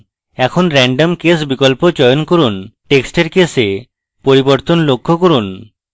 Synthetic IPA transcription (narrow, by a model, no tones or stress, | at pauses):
ɛkʰonɾɛɳɖomkes̬bikɔlpod͡ʑɔjonkoɾunʈeksʈeɾkese | poɾiboɾt̪onlokʰːokoɾun